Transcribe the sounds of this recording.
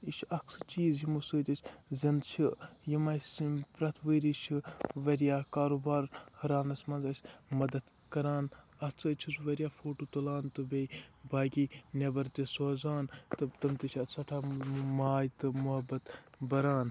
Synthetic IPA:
it͡ʃʰʔɐksɨt͡ʃiːzjimusəːt̪ʲisʰʲzʲɐnd̪t͡ʃʰijimɐspɾɐt̪ʰʋəɾit͡ʃʰiʋɐɾijaːkaːɾuːbaːɾhɐɾaːnɐsʲmɐnzɐsʲmɐd̪ɐd̪ | kɐɾaːn | ɐt͡sɨːt͡ʃʰusʋɐɾʲjaːfoːʈoːt̪ɐlaːnt̪ɨbe | baːɡʲiːnʲɐbɐɾt̪ʲesoːzaːnt̪ɨt̪ɐmt̪ɐt͡ʃʰɐsɐʈʰaːmaːjt̪ɨmuɦɐbɐt̪ | bɐɾaːn

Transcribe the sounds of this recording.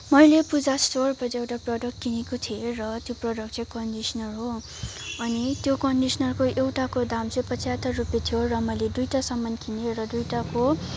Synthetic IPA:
mʌjlepud͡zasʈorpʌɾewʈaprʌɖʌkkinikot̪ʰierʌt̪joprʌɖʌkt͡sʌjkʌɳɖisʌnʌrɦo | ʌnit̪jokʌɳɖisnʌrkoʔewʈakod̪amt͡sʌ̃jpʌt͡sʰjat̪arupet̪ʰjorʌmʌjled̪ujʈasʌmːʌnkʰineɾʌd̪ujʈako

